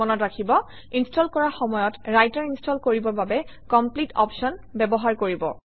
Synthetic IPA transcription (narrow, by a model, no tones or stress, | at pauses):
ɔnɔtɹakʰibɔ | instʰɔlkɔɹaxɔmɔjɔtɹajtɔɹinstɔlkoɹibɔbabɛkɔmplitɔ̰psɔnbɛbɔɦaɹkoɹibɔ̰